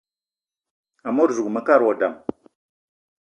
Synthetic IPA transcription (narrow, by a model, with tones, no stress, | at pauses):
a˨mo˦ɾzu˨ɡma˨ka˦ɾwa˨da˨m